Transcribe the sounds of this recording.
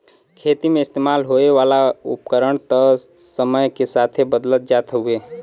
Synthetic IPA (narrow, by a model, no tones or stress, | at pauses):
kʰet̪imeɪst̪emalɦoeʋalaṵpkəɾəɳ̃t̪ə | səməjkesat̪ʰebəd̪lət̪̚d͡ʒat̪ʰɦue